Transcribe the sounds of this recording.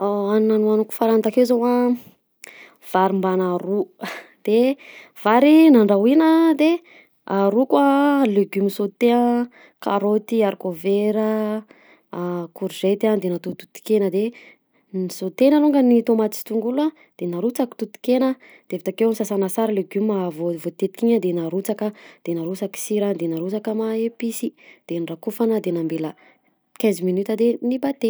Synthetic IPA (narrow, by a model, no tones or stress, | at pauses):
aannanuanuku̥faɾant̪akewzowa | v̥aɾimbanaɾud̪̥ev̥aɾinaɳɖ͡ʐawinəd̪e | aɾukwaleɡymisot̪eə̃ | ka̰ɾot̪iaɾkoveɾə | kuɾʒet̪and̪enat̪ut̪u̥t̪i̥kenəd̪e | nisot̪enəɾuŋɡənit̪omat̪isi̥t̪uŋɡula | d̪̥enaɾut͡saki̥t̪ut̪i̥kenə | d̪̥evit̪akewnsasanasaɾileɡymavovot̪et̪i̥kʲiɲad̪enaɾut͡sakad̪̥enaɾut͡saki̥siɾad̪enaɾut͡sakamaepisid̪̥enirakufanəd̪enambelə | kʲɛ̃ziminyt̪ad̪enibat̪e